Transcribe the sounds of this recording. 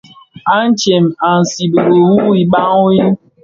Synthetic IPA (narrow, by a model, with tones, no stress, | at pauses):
a˦n̩˦t͡ʃe˨m̩˨a˨n̩˨si˨bo˨ɾo˨wu˦i˨ɓa˦ŋo˦i˦